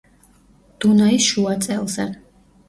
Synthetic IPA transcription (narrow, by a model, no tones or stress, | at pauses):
d̪̥unaisʃuat̪sʼɛlˠzɛ